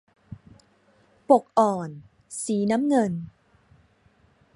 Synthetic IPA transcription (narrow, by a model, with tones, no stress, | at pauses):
po˨˩k̚ʔɔː˨˩n | siː˩˦na˦˥mŋɤ˧n